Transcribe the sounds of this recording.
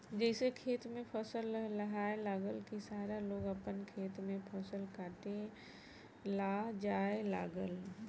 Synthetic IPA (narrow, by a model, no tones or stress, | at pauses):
d͡ʒɛːsekʰeːt̪mẽpʰəsəlːəɦaːelaːɡəlkisaːɾaloːɡəpənkʰeːt̪mẽpʰəsəlkaːʈe | lad͡ʒaːela̰ːɡəl